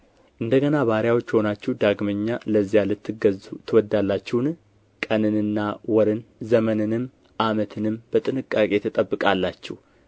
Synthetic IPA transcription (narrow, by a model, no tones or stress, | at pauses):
ʔɨnd̪əɡənaβaɾjawo̞t͡ʃːho̞nat͡ʃːɛwd̪aɡməɲːaləzːijalɨt̪ːɨɡəzut̪ʰɨwɔd̪ːalːat͡ʃːɛwn | kʼənɨnɨnːawɔɾɨnzəmənɨnɨm | ʔamət̪ʰɨnɨmb̥ət̪ʼɨnɨkʼːakʼe̞t̪ʰət̪ʼəbːɨkʼalːat͡ʃːɛ̰h